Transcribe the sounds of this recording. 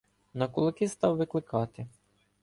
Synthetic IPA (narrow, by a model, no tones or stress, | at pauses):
nɐkʊlˠɪkɪst̪ɑwʋɪklˠɪkɑt̪ɪ